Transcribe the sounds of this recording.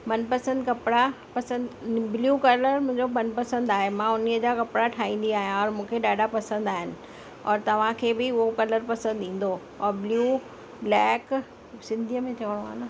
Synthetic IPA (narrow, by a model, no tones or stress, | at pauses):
mɐnpɐsə̃nd̪kɐpɪɽa | pɐsə̃nd̪bljuːkɐɾləɾmʊ̃ɦɪ̃ɲd͡ʑomɐnpɐsə̃nd̪aːɦemãʊniəd͡ʑakɐpɽaʈʰaːɦĩːn̆d̪iaːɦijãɔːɾmũːkʰeɗaːɖapɐsə̃nd̪aːɦɪnɪ̆ | ɔːɾt̪ɐʋ̤ãkʰeːbɪʊɦokɐləɾpɐsə̃nd̪ĩːn̆d̪oː | ɾbljuː | blɛːk | sɪ̃nd̪ʱijəmẽtʰɐʋəɽ̃oa̰ːna